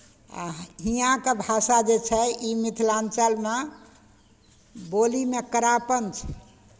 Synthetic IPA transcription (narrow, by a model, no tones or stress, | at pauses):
a̰ɦijãkebʱasad͡ʒet͡ʃʰɛimit̪ʰlãnt͡ʃəlme | bolimekəɾapənt͡ʃʰɛ̥